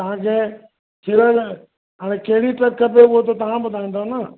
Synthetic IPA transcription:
t̪ɐʋ̤ãkʰeː | kʰeɾəl | ɦaːɽ̃ekɐɦɪɽiʈɾɐkkʰːɐpepuɦot̪ot̪ɐʋ̤ãbʊd̪ʱaːĩnd̪onə

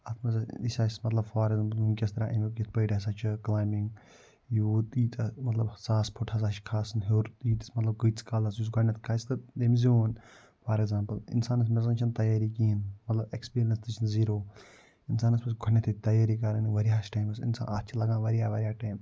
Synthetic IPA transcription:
ɐt̪ʰmɐzɐ̰isʲasmɐt̪lɐbfaːɾekzaːmpɐlːkʲɐst̪ɐɾaːʔemikʲit̪ʰpəjʈɐs̬aːt͡ʃʰɨklaːjmiŋɡ | jut̪iːt̪mɐt̪lɐbsaːspʰuʈʰas̬aːʃkʰaːsɐnɦoɾt̪iːt̪smɐt̪lɐb̚kɨːt̪t͡skaːlɐsjusɡʱɐnʲːɐt̪ʰkʰaːst̪ɨd̪emzioːn | fʰaːɾeɡzãːmpɐlɪ̰nsaːnɐs̬mɛzɐnt͡ʃʰɐnt̪ɐjaːɾikiːinmɐt̪lɐbekspiːɾijɐnst̪ɨt͡ʃʰinziːɾoː | insaːnɐspɐsɡʱɔnʲːɐt̪ʰit̪ɐjaːɾiːkɐɾɐnʋɐɾijaːsʈaːjmɐsḭnsa̰ːnɐt͡ʃʰilɐɡãːʋɐɾaːʋɐɾʲjaːʈaːjm

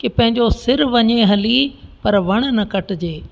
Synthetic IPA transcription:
kɪpɐ̃ɦɪ̃ɲd͡ʑosɪɾʋɐɲeɦɐlipɐɾʋɐɽ̃̆nɐkɐʈd͡ʑeː

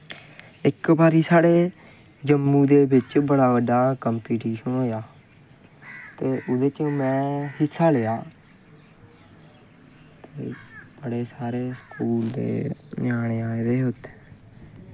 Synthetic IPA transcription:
ɪkbaːɾiːsaːɽeː | d͡ʒəmːũːd̪eːbɪt͡ʃbəɽaːbəɖaːkəmpiːʈiːʃənɦoːjaː | t̪eːʔʊd̪eːt͡ʃːmɛ̃ːhɪsːaːleːaː | t̪eːb̥əɽeːsaːɾeːskuːld̪ḛːnaːɽ̃eːãːed̪eːɦʊt̪e̥ː

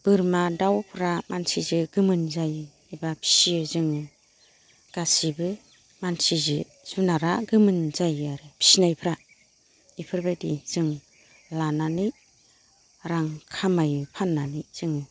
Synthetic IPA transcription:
b̥ɯɾmadawpʰɯɾamansizɯɡɯmɯnzaj | abapʰi̥siɯzɯŋɯ | ɡ̥asibɯ | mansizɯ | zunaɾaɡɯmɯnzajaɾɯpʰi̥sinajpʰɾa | ipʰɯɾbediz̥ɯŋ | lanani | ɾaŋkʰamajɯpʰanːaniz̥ɯŋɯ

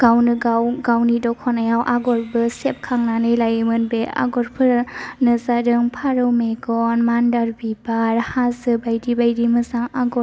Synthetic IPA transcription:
ɡ̥awnɯɡawɡawnidɔkʰɔnajawʔaɡɔɾbɯsep̚kʰaŋnanɯjlajmɯnbea̰ɡɔɾpʰɯɾnɯzadɯŋpʰaɾɯwmeɡɔnmandaɾbibaɾhasɯbajdibajdimɯsaŋaɡɔ

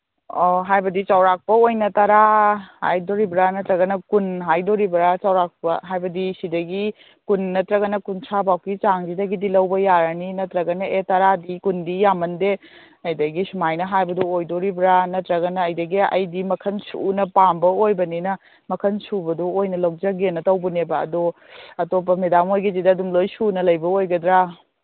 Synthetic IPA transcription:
oɦajbɐdit͡ʃawɾak̚pɐojnɐtɐɾaha̰jdoɾibɾanɐtɾɐɡɐnɐkunɦajdoɾibɾat͡ʃawɾak̚pɐ̰ɦajbɐdisidɐɡi | kunnɐtɾɐɡɐnɐkunsʰabawkit͡ʃaŋd͡ʒidɐɡidilɐwbɐjaɾɐninɐtɾɐɡɐnɐetɐɾadikundijamɐnde | ɐjdɐɡisumajnɐɦajbɐduojdoɾibɾanɐtɾɐɡɐnɐːjdɐɡiɐ̰jdimɐkʰɐnsṵnɐpambɐojbɐninɐ | mɐkʰɐnsubɐduojnɐlɐwd͡ʒaɡenɐtɐwbunebɐɐ̰do | ɐtop̬ːɐmedamojɡizidɐɐdumlojsunɐlɐjbɐojɡɐdɾa

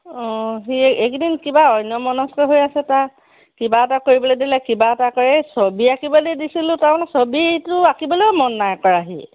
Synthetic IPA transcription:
ɔ̃ɦiekdinkibaɔjnjɔmɔnɔskɔɦojasɛta | kibaɛtakoɹibɔlojdilɛkibaɛtakɔɹɛsobiakibɔlejdisilʊ̃taɹmanɛsobitʊakibɔlojmɔnːajkɔɹaɦḭ

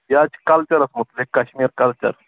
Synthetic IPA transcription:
jad͡ʑkalt͡ʃɐɾɐsmut̪lekːaɕmiːɾkalt͡ɕɐ̰ɾ

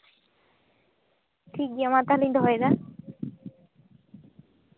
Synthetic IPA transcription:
ʈʰik̚d̪iamat̪alind̪ɔɦɔjd̪a

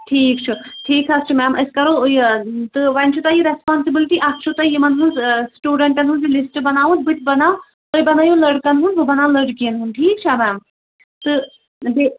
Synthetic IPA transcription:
ʈʰiːk̚t͡ʃʰuʈʰiːkt͡ʃʰast͡ʃʰumɛːmɐskɐɾo | t̪ɨʋɐnt͡ʃʰut̪ajiɾɛspaːnsibɪlʈiːʔɐst͡ʃʰut̪ajimɐnɦunsʈjuːɖɐ̃ɳʈɐnɦũnzilɪsʈbɐnaːʋũnt̪̚bɨt̪̚bɐnaː | t̪əjbɐnaːjõːlɐɖkɐnɦũnʋobɐnaːlɐɖkiənɦunʈʰiːkt͡ʃʰamɛːm | t̪ɨ | b̪e

